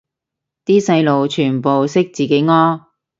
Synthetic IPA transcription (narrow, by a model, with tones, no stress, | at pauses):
t̪iː˥sɐ˧jlo˨wt͡ʃʰyː˨˩npo˨wsɪ˥k̚t͡siː˨˩ke˨˥jŋɔː˥